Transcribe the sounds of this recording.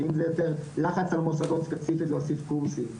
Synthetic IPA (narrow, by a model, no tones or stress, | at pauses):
imzejot̪e̞ʁlaχat͡salmosad̪ot̪spet͡sifit̪leosifkuʁsim